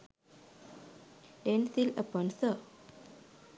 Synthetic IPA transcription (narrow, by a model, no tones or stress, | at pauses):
ɖensiləpɔnsə